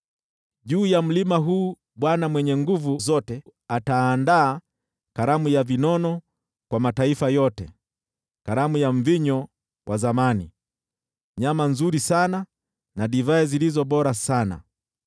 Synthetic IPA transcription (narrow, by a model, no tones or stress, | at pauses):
ʄuːjam̩limaɦuː | ɓwanamwɛɲɛŋɡuvuzɔtɛataːndaː | kaɾamujavinɔnɔ | kwamataifajɔtɛ | kaɾamujaɱviɲɔ | wʔazamani | ɲamanzuɾisana | naɗivaɛzilizɔɓɔɾasana̰